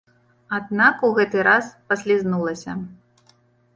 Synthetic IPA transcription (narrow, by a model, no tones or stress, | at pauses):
ad̪̚nakuɣɛt̪ɨɾaspɐsʲlʲiznulˠɐsʲɐ